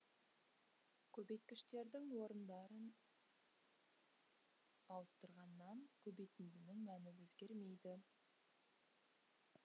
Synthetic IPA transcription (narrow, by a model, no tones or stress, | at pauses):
kʲʰɵbe̞jt̪̚kʲɪʃt̪e̞ɾd̪ɪŋwo̞ɾənd̪ɑɾən | ɑwəst̪əɾʁɑnːɑŋkʲʰɵbejt̪ɪnd̪ɪnɪŋmænɪwɵzɡʲe̞ɾme̞jd̪ɪ